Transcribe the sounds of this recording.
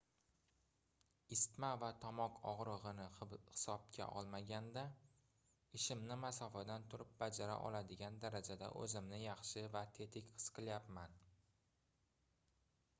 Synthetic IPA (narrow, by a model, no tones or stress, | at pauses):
ɪst̪mavat̪ʰɒmɒqʰɒʁɾɨʁɨnɪhɪ̥sɒb̚kʲʰa̰ʔɒlˠmaɡʲand̪a | ɪʃɪmnɪmasɒfad̪ant̪ʰʊɾɪp̚bad͡ʒaɾa̰ʔɒ̰lˠad̪ɪɡʲand̪aɾad͡ʒad̪a̰ʔɵ̰zɪmnɪjɑχʃɪvat̪ʰe̞t̪ʰɪkʲqʰɨ̥sqʰɨljapman